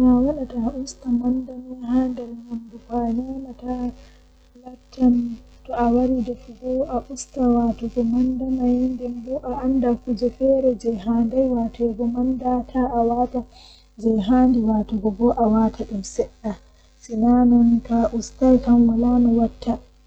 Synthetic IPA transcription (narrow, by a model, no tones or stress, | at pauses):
nawaɗataustamandamɛɦandɛlmandukanɛnata | latʰːan | tɔawaɾidɛfuɡɔʔaʔustawatɔɡɔmandamajindɛmbɔʔaʔandakud͡ʒɛfɛːɾɛd͡ʒɛjɦandajwatɔɡɔmandatʰaʔːwata | d͡ʒɛjɦaːndiwatɔɡɔbɔʔawatʰaɗumsɛɗːa | sinanɔntaʔustalkamwalanɔwatʰːa